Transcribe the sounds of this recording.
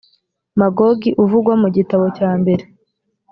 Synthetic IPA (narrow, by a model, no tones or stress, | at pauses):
maɡoɡiʔuvuɡwamuɟitaβo̞caːmbe̞ɾe